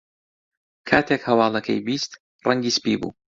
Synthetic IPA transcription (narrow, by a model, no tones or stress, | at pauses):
kʰaːt̪ʰekhɐwɑːlˠɐkʰɐ̰jbist̪ | rʔɐŋɡiːspḭbṵː